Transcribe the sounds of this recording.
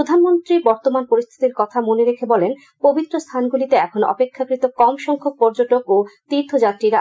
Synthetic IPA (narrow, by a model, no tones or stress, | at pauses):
od̪ʱanmont̪ɾibɔɾt̪omanpoɾist̪ʰi̥t̪iɾkɔt̪ʰamoneɾekʰebɔlen | pobit̪ːɾost̪ʰanɡulit̪eɛkʰonoʔɔ̰pekʰːakɾit̪okɔmʃɔŋkʰok̚pɔɾd͡ʑoʈokot̪iɾt̪ʰod͡ʑat̪ːɾiɾa